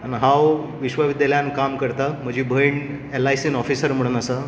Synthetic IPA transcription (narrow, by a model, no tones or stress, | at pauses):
anɦãwʋiɕʋəʋid̪jaljankamkəɾt̪am̤əd͡ʑʱiːbʱəjɳ | ɛlajsinɔfisəɾm̤əɽunəsa